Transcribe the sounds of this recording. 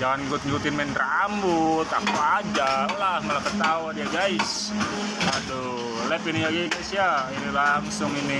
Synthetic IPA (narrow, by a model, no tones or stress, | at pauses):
d͡ʒaŋaniɡʊt̪̚ɲut̪ɪnmɛnrambut̪akuad͡ʒalamalakət̪auadiaɡais | ado | lɛpinijaɡaiɡaisjainilaŋsʊŋini